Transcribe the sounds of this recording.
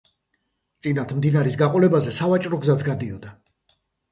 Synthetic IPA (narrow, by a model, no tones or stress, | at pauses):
t̪sʼinat̪ʰmd̪inaɾisɡaqʼɔlɛbazɛsavat͡ʃʼɾɔɡzat̪sʰɡad̪iɔd̪a